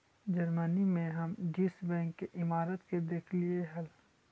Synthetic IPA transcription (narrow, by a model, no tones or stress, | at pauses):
d͡ʒəɾmənimẽɦɐmɖiːsbɛ̃ːŋkːeʔɪmaːɾət̪ked̪eːkʰlieɦɐl